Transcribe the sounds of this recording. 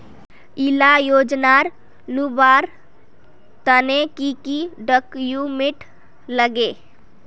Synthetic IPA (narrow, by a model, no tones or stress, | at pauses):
ɪlajoːd͡ʒnaɾ | lubaːɾ | t̪ənekikiɖəkjumɪʈ | ləɡeː